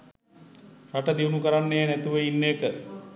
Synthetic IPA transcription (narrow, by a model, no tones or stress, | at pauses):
raʈəd̪iunukəɾanːejənæt̪uʋəinːekə